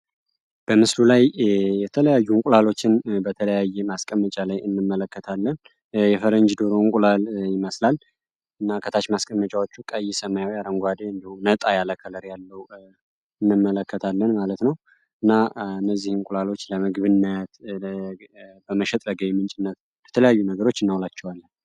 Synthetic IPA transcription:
b̥əmɨslulajjɛt̪ʰələjajːumkʼulalo̞t͡ʃːɪnbət̪ʰələjajːɛmaskʼəmːət͡ʃʼalajɨnːɨmːələkːət̪ʰalːən | jɛfəɾəɲd͡ʒd̪oɾoŋkʼulaljɪməslal | ʔɨnːakʰət̪ʰat͡ʃmaskʼəmːət͡ʃʼawo̞t͡ʃːukʼəjɛsəmajawiaɾəŋɡʷad̪eɨnd̪ihumnət̪ʼajaləkʰːələɾjalːəwu | ɨnːɨmːələkːət̪ʰalːənmalət̪nəw | ʔɨnːaɨnːəzːihɨmkʼulalo̞t͡ʃːləmɨɡbɨnːət̪ | bəməʃɛt̪ʼləɡəjmɨnt͡ʃʼɪnːət̪ | b̥ət̪ʰələjajːunəɡəɾo̞t͡ʃːɨnːawlat͡ʃːɛwalːən

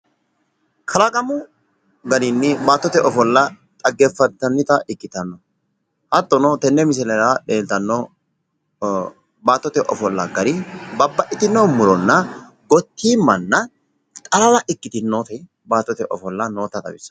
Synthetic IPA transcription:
kʰɐlɐkʼɐmʊ | ɡɐnɪnːɪbaːt̪ːɔt̪ɛʔɔfɔlːɐ | t̪ʼɐɡːɛfːɐt̪ːɐnːɪt̪ɐʔɪkːɪt̪ɐnːɔ | hɐt̪ːɔnɔt̪ɛnːɛmɪs̬ɛlɛɾaᶑe̞ːlt̪ɐnːɔ | baːt̪ːɔt̪ɛʔɔfɔlːɐɡɐɾɪbɐbːɐʔɪt̪ɪnːoːmʊɾɔnːɐ | ɡɔt̪ʰːiːmːɐnːɐ | t̪ʼɐlɐlɐʔɪkːɪt̪ɪnːot̪ɐ | baːt̪ːɔt̪ɛʔɔfɔlːɐnoːt̪ːɐt̪ɐ̰bɪsɐ̥

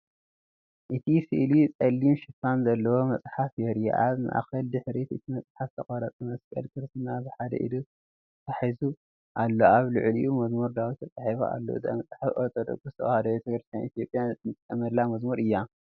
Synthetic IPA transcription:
ʔɨt̪ʰisɨʔlit͡sʼɐlːimʃɨfanzɐlːɐwo̞mɐt͡sʼħafjɛɾij̰ʔaβma̰ʔaxɐld̪ɨħɾet̪ɨt̪ʰimɐt͡sʼħaft̪ʰɐχʼɐɾɐt͡sʼɨmɐskʼɐ̰lkʰɨɾst̪ɨnazɨħad̪ɐ̰ʔḭd̪u | t̪ʰaħizu | ʔalːoaβlṵʕlḭʔumɐzmuɾd̪awit̪ʰɐt͡sʼaħiβoʔa̰lːo̰ɨ̰za̰mɐt͡sʼħafʔoɾt̪ʰod̪ɐ̰ɡust̪ʰɐʔʼhad̪ɐet̪ʰɐkɾɨst̪ʰjanit̪ʰjo̞pʼjanʼɐmɐlamɐzmuɾɨjːa

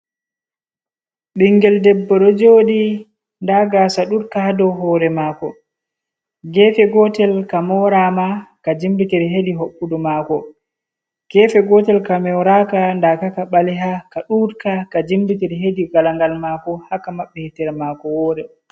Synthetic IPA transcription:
ɓiŋɡɛldɛbːɔɗɔd͡ʒodi | ndaɡasaɗuɾkahadɔɦɔɾɛmaːkɔ | ɡɛfɛɡɔtɛlkamɔɾamakad͡ʒimbitiɾɦediɦoɓːudɔmakɔ | ɡ̥ɛfɛɡɔtɛlkamɔwɾakandakakaɓalɛɦakaɗuɾkakad͡ʒimbitiɾɦediɡalaŋɡalmaːkɔhakamaɓːɛhɛtɛɾmaːkɔwɔɾɛ

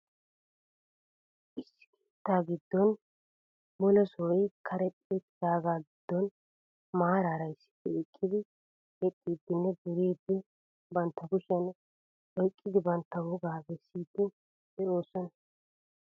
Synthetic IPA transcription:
ʔɪsːɪ̥kʰe̥ːt̪ːaːɡɪd̪ːɔn | mɔlɔsɔːjkʰɐɾɛtʼːeːt̪ɪd̪aːɡaːɡɪd̪̥ːɔn | maːɾaːɾɐjsːɪ̥pːɛɛkʼːɪd̪ɪ | ɛtʼːiːd̪ːɪnːɛɡʊɾiːd̪ːɪ | bɐnt̪ːɐɡʊʃɛn | ɔjkʼːɪd̪ɪbɐnt̪ːɐwɔɡaːɡɛsːiːd̪ːɪ̥ | ɛʔoːsɔnɐ

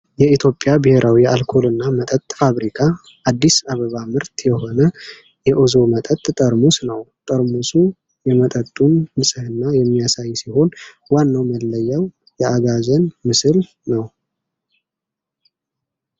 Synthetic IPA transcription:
jɛit̪ʰjo̞pʼːjabɨheɾʔawialkʰo̞lɨnːamət̪ʼət̪ʼfaβɾikʰa | ʔːd̪ːisaβəβamɨɾt̪jɛho̞nə | jɛʔozo̞mət̪ʼət̪ʼt̪ʼəɾmusnəwt̪ʼəɾmusu | jɛmət̪ʼət̪ʼːunːɨsʼɨhɨnːajɛmːijasajsiho̞n | wanːawməlːəjːəw | jɛaɡazənmɨsɨl | nəw

